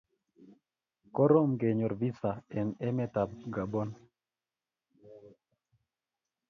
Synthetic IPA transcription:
kɔ˦ɾo˦mɡe˨ɲɔ˨ɾvi˦sa˨ɛ˨nɛ˦mɛ˦ta˨b̚ɡa˨bo˦n

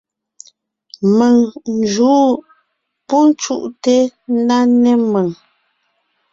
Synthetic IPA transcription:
mə˨ŋn˨d͡ʒuː˨˦ | pu˦n˦t͡ʃṵ˦ʔte˦n̩˦da˦nɛ˦mə˨ŋ

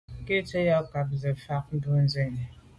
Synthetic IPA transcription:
ke˦t͡ʃe˦jɔ˦ka˨p̚ze˨fa˦k̚n̩˦du˦n̩˦ze˦˨ɲe˨

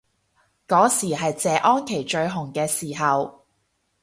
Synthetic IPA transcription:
kɔː˨˥siː˨˩ɦɐ˨jt͡sɛː˨˧ʔɔː˥nkʰe˨˩jt͡ʃɵ˧ɥɦʊ˨˩ŋkɛː˧siː˨˩ɦɐ˨w

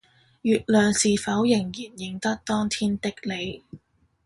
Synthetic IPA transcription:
jyː˨t̚lœː˨ŋsiː˨fɐ˨˥wjɪ˨˩ŋjiː˨˩njɪ˨ŋt̪ɐ˥k̚t̪ɔː˥ŋt̪ʰiː˥nt̪ɪ˥k̚le˨˧j

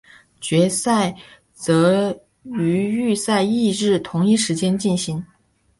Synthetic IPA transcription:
t͡ɕɥɛ˧˥sa˥˩ɪ | t͡sɤ˧˥ | y˧˥y˥˧sa˥˧ɪi˥˧ɻɻ̩˥˩t̪ʰʊ˧˥ŋi˥˧ʂɻ̩˧˥t͡ɕjɛ˥nt͡ɕi˥˩nɕi˧˥ŋ

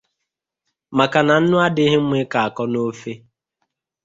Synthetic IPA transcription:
ma˨ka˨na˨n̩˦nʊ˦a˦dɪ˦ɦɪ˦m̩˦mʷe˦ka˨a˨kɔ˦no˦fe˦

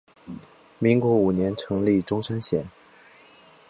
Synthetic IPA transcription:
mi˧˥ŋkwɔ˧˥u˨˩njɛ˧˥nʈ͡ʂʰɤ˧˥ŋli˥˩ʈ͡ʂʊ˥ŋʂɤ˥nɕjɛ˨˩˦n

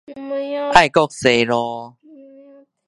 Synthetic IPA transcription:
ʔa˥˧˨jkɔ˥˧k̚se˧˩ɾɔ˧

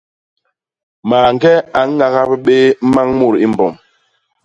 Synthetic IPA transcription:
maː˨ŋ˦ɡɛ˦a˨˦ŋː˦a˨ɣa˦bə˦ɓe˦ma˦ŋmu˦˨ɾi˦m˨bɔ˨m

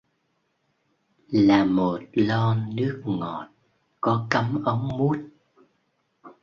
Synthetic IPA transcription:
laː˨˩mo˨˩t̚lɔ˧nɨ˦˥ək̚ŋɔ˨˩t̚ | kɔ˨˦kə˨˦mʔə˨˦wŋ͡mmu˦˥ət̚

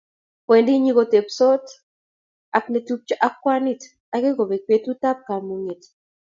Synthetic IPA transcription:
pwe˨ndi˦ɲi˦ko˨t̪e˨pso˦t | a˨kne˨tu˦p̚t͡ʃa˦ʔa˦kwa˦ni˦˨t | a˦ɡe˦ko˨be˨k̚pe˨˦tu˦t̪a˦p̚ka˨ɾmu˨ŋe˨t

